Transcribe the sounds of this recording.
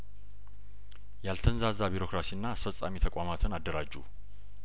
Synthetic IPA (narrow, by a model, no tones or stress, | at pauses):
jalt̪ʰənzazabiɾo̞kɾasiɨnːaːsfəsʼa̰mit̪ʰəkʼamat̪ʰɨnad̪ːəɾad͡ʒːṵ